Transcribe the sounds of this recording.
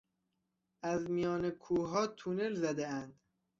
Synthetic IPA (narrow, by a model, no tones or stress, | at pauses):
æzmijɒːnekʰuːɦɒːt̪ʰune̞lzæd̪eænd̪